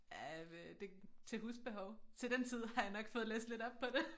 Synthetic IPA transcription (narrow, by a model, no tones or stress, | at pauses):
jæd̥e̝t͡sʰe̝ɦuːsb̥e̝ɦɒʊt͡sʰe̝ld̥ent͡sʰið̞̰ˠhɑ̈jɑ̈nɒ̽ɡ̥fɔ̽ːð̩ˠlḛːsd̥le̝dɒ̽b̥̚pʰɒ̽d̥e̝